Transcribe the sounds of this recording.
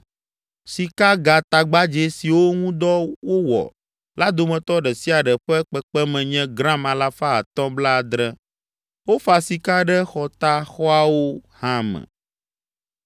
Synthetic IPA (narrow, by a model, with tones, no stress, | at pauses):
si˨ka˦ɡa˨t̪a˨ɡ͡ba˦d͡ʒe˨si˨wo˦ŋũ˦d̪ɔ˦wo˦wɔ̰˨ | la˦d̪o˨mɛ̃˨t̪ɔ˦ɖɛ˨si˦a˨ɖɛ˨ɸɛ˦k͡pɛ˦k͡pɛ˦mɛ̃˨ɲɛ̃˦ɡɾã˦mã˨la˦fa˦ɦa̰˨t̪ɔ̃˦bla˦˨d̪ɾɛ˦ | wo˦fa˨si˨ka˦ɖɛ˦xɔ˨t̪a˦xɔ˦a˦wo˦hã˦mɛ̰̃˨